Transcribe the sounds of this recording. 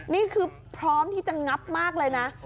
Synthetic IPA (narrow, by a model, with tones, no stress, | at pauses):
niː˥˩kʰɯː˧ | pʰɾɔː˦˥mt̪ʰiː˥˩t͡ɕa˨˩ŋa˦˥p̚maː˥˩k̚lɤː˧jna˦˥ʔ